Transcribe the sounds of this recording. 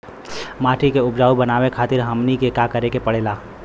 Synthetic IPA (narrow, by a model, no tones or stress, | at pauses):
maːʈʰikeʊbd͡ʒaːubɐnaːwekʰaːt̪ɪɾɦɐmnikekakɐɾekepɐɽeːlaː